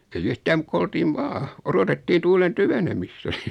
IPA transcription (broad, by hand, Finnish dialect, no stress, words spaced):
eij yhtæːm muk ko oltiːʋ ʋɑː orotetːiː tuːlen tyʋenemistæ̥